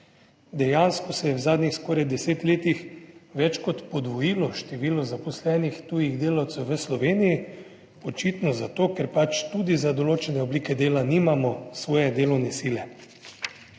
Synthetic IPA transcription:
d̪ɛjaːnskɔsɛjɛwzaːd̪nixskɔːɾajd̪ɛseːt̪leːt̪ixʋɛt͡ʃkɔt̪pɔd̪ʋɔjiːlɔʃt̪ɛʋiːlɔzapɔslɛːnixt̪uːjiɣd̪eːlawt̪sɛwʋəslɔʋeːniji | ɔt͡ʃit̪nɔzat̪oːkɛɾpat͡ʃt̪uːd̪izad̪oloːt͡ʃɛnɛobliːkɛd̪eːlaniːmamɔsʋɔːjɛd̪eːlɔwnɛsiːlɛ

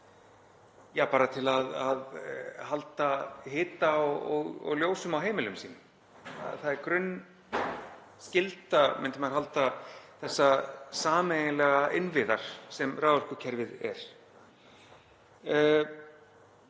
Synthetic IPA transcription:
jaːpaːɾat̪ʰɪlaðaðhalt̪aɦɪːt̪aɔɣɔ̰ɣljoːwsʏmawɦeːjmɪlʏmsiːnʏ | a̰θaðɛɾkɾʏnː | scɪlt̪amɪnt̪ɪmɛɾɦalt̪aθɛsːasaːmejnlɛɣaʔɪnvɪða̰ɾ̥sɛmraːwœɾ̥kʏcʰɛɾvɪðɛ̰ɾ̥

